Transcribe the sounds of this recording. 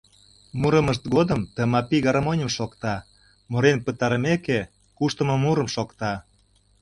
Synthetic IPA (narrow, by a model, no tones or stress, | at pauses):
muɾəməʃ̬t̪̚ɡod̪əmt̪əmɑpiɣɑɾmonʲə̆mʃokt̪ɑ | moɾenpət̪ɑɾəmeke | kuʃt̪ə̆mɤ̆muɾə̆mʃokt̪ɑ